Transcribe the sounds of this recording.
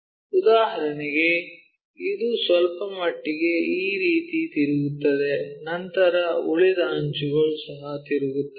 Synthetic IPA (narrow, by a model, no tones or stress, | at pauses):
ud̪aːɦɐɾɐniɡe̞ | id̪usʋɐlpɐmɐʈːiɡe̞iːɾiːt̪it̪iɾuɡut̪ːɐd̪enɐnt̪ɐɾɐuɭid̪ɐːɲt͡ʃuɡɐɭusɐɦɐt̪iɾuɡut̪ːe